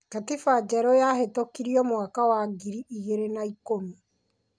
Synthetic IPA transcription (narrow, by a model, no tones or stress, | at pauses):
katifad͡ʒɛɾɔjahetokiɾiɔmwakawaɡiɾiʔiɣeɾenaikomi